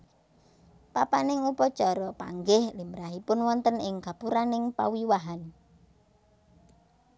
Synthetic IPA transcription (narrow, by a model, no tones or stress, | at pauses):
papanɪŋupɔ̥t͡ʃɔɾɔpa̰ŋɡɪhlimɾaɦipʊnwɔnt̪ənɪŋɡ̥a̤puɾanɪŋpa̰wiwaɦan